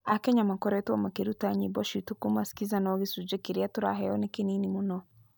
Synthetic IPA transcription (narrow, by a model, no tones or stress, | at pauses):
akeɲamakoɾetuamakeɾutaɲiboʃitukumasi̥kizanoɣisud͡ʒekiɾijatuɾa̰ɦejonekeninimuno